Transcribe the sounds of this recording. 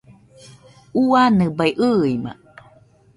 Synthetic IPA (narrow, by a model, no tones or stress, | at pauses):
uanɨbajʔɯima̰